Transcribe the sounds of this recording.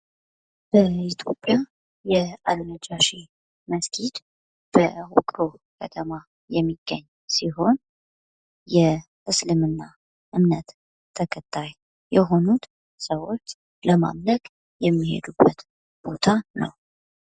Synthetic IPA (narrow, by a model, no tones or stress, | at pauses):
b̥əit̪ʰjo̞pʼːja | jɛalməd͡ʒaʃi | məsk̪ʰid̪ | b̥əhukʼɾo̞kʰət̪ʰəma | jɛmːiɡ̥ːəɲː | siɦo̞n | jɛ | ʔɨslɨmɨnːa | ʔɨmnət̪ʰː | əkʰət̪ʼʰːaj | jɛɦo̞nut̪ | səwot͡ʃː | ləma̰mləkʼ | jɛmːihḛd̪ubːət̪ | b̥o̞t̪ʰanə̰w